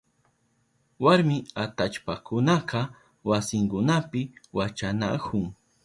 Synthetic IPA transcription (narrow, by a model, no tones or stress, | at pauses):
waɾmɪat̪at͡ʃpakʊnaqɑ | wasɪŋkʊnapɪwat͡ʃana̰kʰʊŋ